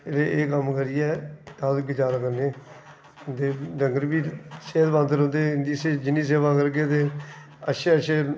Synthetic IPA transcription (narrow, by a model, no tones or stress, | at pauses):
eɾeːʔeːkəmkəɾiːɛːt̪aːd̪kɪt͡ʃaːɾakəɾneː | t̪eːɖəŋɡəɾbiːseːət̪bãːnd̪əɾɦõnd̪eːɪnd̪iːsed͡ʒɪniːs̬eːʋãːkəɾɡeːt̪̬eː | əʃeːəʃeː